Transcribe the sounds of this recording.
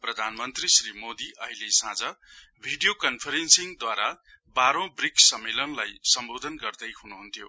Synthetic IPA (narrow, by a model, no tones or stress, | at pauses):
prʌd̪ʱanmʌnt̪risrimod̪iʔʌjlesãd͡zʌ | bʱiɖijokʌnpʰʌɾensiŋd̪waɾa | baɾõbriksʌmːelʌnlajsʌmbod̪ʱʌnɡʌrd̪ʌjɦunuɦunt̪ʰijo̰